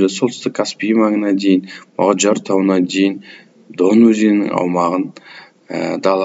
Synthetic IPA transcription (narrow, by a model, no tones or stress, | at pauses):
esolˠt̪ʰə̥st̪ɪkʰːaspʲijmɑŋənɑd̪e̞jɪnmo̰ʁɑʒɑɾt̪ʰɑwənɑd̪e̞jɪn | d̪onwɵzenɪ̰ŋɑ̰wmɑʁən | ə̰d̪ɑlˠ